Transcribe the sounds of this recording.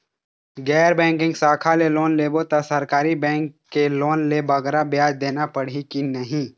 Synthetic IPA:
ɡɛːɾbɛ̃ːŋkɪ̃ŋɡsaːkʰaleloːnleːbot̪asɐɾkaːɾibɛ̃ːŋkːeloːnlebɐɡɾabɪjaːd͡ʒd̪eːnapəɽ̤ikinəɦĩ

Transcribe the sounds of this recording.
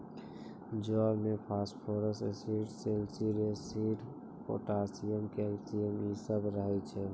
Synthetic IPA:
d͡ʒɔɾmepʰasʈpʰoɾəsesiʈselsiɖesiʈ | o̰ʈasijəmkeɾt̪ijəmisəbɾəɦɛt͡ʃʰɛ

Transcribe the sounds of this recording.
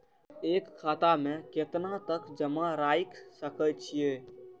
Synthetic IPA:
eːkʰːaːt̪amẽkɪt̪nãt̪əkd͡ʒəmãɾaːɪksəkʰət͡ʃʰieː

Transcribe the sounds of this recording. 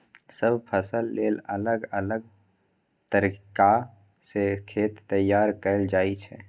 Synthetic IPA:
səbpʰəsəlːeːlələɡələɡ̚ | t̪əɾika | sekʰeːt̪ːəjːaːɾkəld͡ʒaːit͡ʃʰɛ̰

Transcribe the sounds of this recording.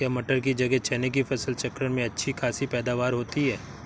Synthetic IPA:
kjaːmɐʈəɾk̬id͡ʒɐɡɛt͡ʃɛːnek̬ifʰɐsəlt͡ʃɐkɾəɽmẽɐtːʃʰikʰaːsipɛːd̪aːʋaːɾɦoːt̪iɦɛː

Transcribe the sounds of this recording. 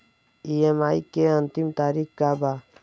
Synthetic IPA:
iemaːikeənt̪imt̪aːɾikkaba

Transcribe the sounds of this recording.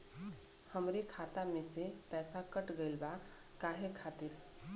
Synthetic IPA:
həmɾekʰat̪amesepɛːsakəʈɡəɪlba | kaɦekʰat̪iɾ

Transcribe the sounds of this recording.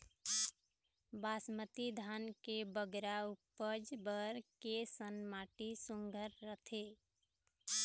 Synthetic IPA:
basmət̪id̪ʱankebəɡɾaupːəd͡ʒbəɾkesənmaʈisuŋɡʱəɾːət̪ʰe

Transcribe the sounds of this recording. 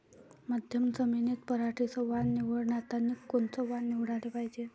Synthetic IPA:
mad̪ʱjəmt͡səminet̪̚pəɾaʈʰisəʋannːiʋəɽnat̪anːikont͡sɔʋanːiʋɽalepajd͡ʑe

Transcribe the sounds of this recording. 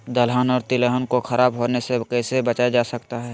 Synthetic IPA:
d̪əlɦənɔːɾt̪ɪləɦənkoxʰɐɾaːbɦoːnesekɛːsebɐt͡ʃaːjad͡ʒaːsɐkt̪aɦɛː

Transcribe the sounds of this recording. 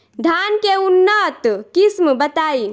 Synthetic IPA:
d̪ʱankeunːət̪kismbət̪ai

